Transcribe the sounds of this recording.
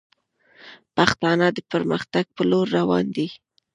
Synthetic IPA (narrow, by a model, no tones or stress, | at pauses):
paxt̪ɑnad̪əpəɾməxt̪aɡ̚pəloɾːawɑ̰nd̪i